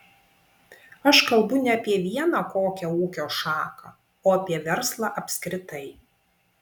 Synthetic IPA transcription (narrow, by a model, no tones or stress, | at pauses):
ɐʃkɐlˠbʊnʲɛɐpʲiɛʋʲiɛnɑkoːkʲɛuːkʲoːʃɑːkɐ | oːɐpʲiɛʋʲɛɾslˠɑːʔɐpʲsʲkɾʲɪt̪ɐɪ